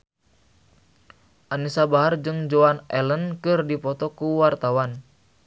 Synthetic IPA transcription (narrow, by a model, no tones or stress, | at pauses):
ʔanisabaɦard͡ʒɨŋd͡ʒoanɛlənkɨrdipɔt̪ɔkuwart̪awan